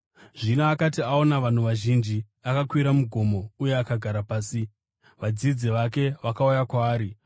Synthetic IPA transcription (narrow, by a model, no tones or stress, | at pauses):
ʐinaːkatiao̞naʋan̤uʋaʒind͡ʒi | akakwiɾamuɡʱo̞mo̞ujeakaɡʱaɾapaːsi | ʋad͡zid͡ziʋake̞ʋakaujakwaːɾi